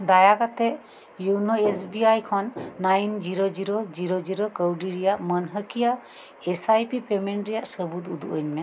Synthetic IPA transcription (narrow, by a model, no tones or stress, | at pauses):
d̪ajakat̪ɛʔ | junɔesbiajkʰɔnːajnd͡ʒiɾod͡ʒiɾod͡ʒiɾod͡ʒiɾɔkəwɖiɾɛjaʔmənɦəkija | esajpipemɛɳʈɾɛjaʔsəbud̪ud̪uʔəɲmɛ